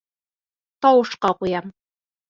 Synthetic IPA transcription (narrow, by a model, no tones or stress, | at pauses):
t̪ɒwɤ̆ʃqɑqujɑm